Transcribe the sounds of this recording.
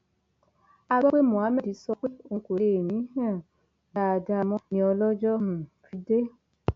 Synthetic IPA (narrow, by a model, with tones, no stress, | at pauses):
a˧ɡ͡bɔ˦k͡pe˦mũ˨a˨˦mɛ˦di˨˦sɔ˧k͡pe˦o˦˧˨ko˨ɾe˨nĩ˨˦hɛ̃˦˨ | da˦˨˧da˧mɔ̃˦nĩ˧˦ɔ˧lɔ˦d͡ʒɔ˦hũ˦fi˨˧˦de˦